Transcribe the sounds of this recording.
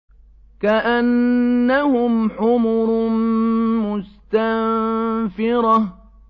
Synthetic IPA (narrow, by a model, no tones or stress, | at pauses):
kaʔanːahʊmħʊmʊɾ | mʊst̪amfɪɾɑ